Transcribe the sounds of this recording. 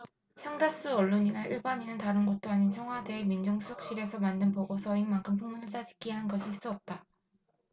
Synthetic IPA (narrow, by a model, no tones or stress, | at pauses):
sʰaŋdas͈uʌɭːoɲinaʔiɭbaɲinɯntaɾɯnɡʌt̚t͈oaɲint͡ɕʰʌŋɦwadeːmind͡ʑoŋsʰusʰok̚ɕ͈iɾe̞sʰʌmandɯnpoɡosʰʌinmaŋkʰɯmpʰoŋmunɯɭt͡ɕ͈ad͡ʑi̥k͈ʰiɦanɡʌɕʰiɭs͈uʌp̚t͈a